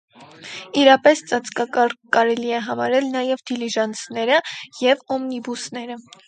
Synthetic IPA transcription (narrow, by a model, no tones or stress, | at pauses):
iɾɑpɛst͡sɑt͡skɑkɑɾkɑɾɛliɛɦɑmɑɾɛlnɑjɛvd̪iliʒɑnt͡sʰnɛɾəjɛvɔmnibusnɛɾə